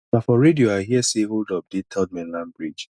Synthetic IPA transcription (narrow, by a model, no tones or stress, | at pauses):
nafɔɹedioaɪɦiəseɦoldɔb̚detʰɛld̚mĩnlãnbɹid͡ʒ